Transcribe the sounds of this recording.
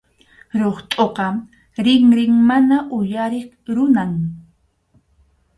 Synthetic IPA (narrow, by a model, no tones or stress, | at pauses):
ɾoχt̪ʼoqɑ | ɾɪŋɾɪŋmanaʔʊjaɾɪχ | ɾʊnaŋ